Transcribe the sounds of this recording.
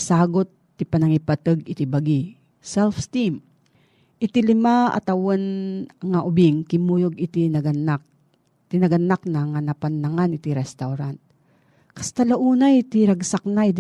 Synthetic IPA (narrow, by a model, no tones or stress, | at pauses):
saːɡot̪ːipanaŋipat̪ɨɡɪt̪ibaɡi | sɛlfst̪im | ʔɪt̪ilɪmaa̰t̪awanɐŋaʔʊbiŋkɪmujoɡɪt̪inaɡanak | t̪inɐɡanːak̚naŋanapanːaŋanɪt̪iɾɛst̪awɾant̪̚ | kast̪alaʔuːnajt̪iɾaɡsak̚nait̪